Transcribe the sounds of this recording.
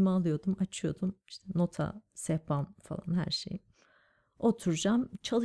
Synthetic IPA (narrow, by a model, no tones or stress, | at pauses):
maːlˠɯjo̞d̪umat͡ʃʰɯjo̞d̪umiʃt̪ʰɛno̞t̪ʰa̰sɛpanfa̰lˠa̰nhæ̰ɾʃḛj | o̞t̪ʰuɾd͡ʒamt͡ʃʰalˠ